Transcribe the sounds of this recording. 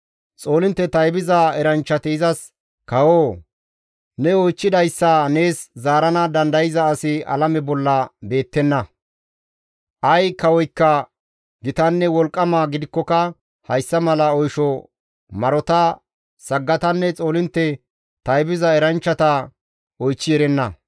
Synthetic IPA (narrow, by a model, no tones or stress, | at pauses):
t͡sʼo̞ːlɪnt̪ːɛt̪ɐjbɪzɐɛɾɐnt͡ʃːɐt̪ɪɪzɐs | kɐwoː | nɛojt͡ʃːɪd̪ɐjsːɐne̞ːszaːɾɐnɐd̪ɐnd̪ɐjɪzɐːsɪɐ̰lɐmɛbɔlːɐbe̞ːt̪ːɛnːɐ | ʔɐjkɐwɔjkːɐ | ɡɪt̪ɐnːɛwɔlkʼːɐmaɡɪd̪ɪkːɔkɐ | hɐjsːɐmɐlɐɔjʃɔ | mɐɾɔt̪ɐ | sɐɡːɐt̪ɐnːɛt͡sʼo̞ːlɪnt̪ːɛ | t̪ɐjbɪzɐɛɾɐnt͡ʃːɐt̪ɐ | ɔjt͡ʃːɪjɛɾɛnːɐ